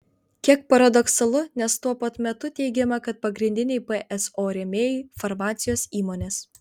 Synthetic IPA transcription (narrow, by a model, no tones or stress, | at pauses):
kʲiɛk̚pɐɾɐd̪ɔksɐlˠʊnʲɛst̪uɔpɐt̪mʲɛt̪ʊt̪ʲɛɪɡʲɛmɐkɐt̪̚pɐɡɾʲɪnʲd̪ʲɪnʲɛɪpɛʔɛsoːɾʲɛmʲeːjɪfɐɾmɑːt̪sʲɪjoːsiːmoːnʲeːs